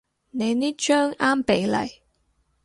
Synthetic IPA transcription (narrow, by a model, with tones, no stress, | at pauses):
ne˨˧jni˥t͡ʃœː˥ŋaː˥mpe˨˥jlɐ̰˨˩j